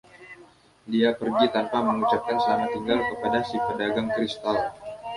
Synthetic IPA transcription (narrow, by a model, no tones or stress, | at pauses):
diapərɡit̪anpaməŋut͡ʃap̚kansəamat̪iŋɡalkəpadasipədaɡaŋkɾist̪al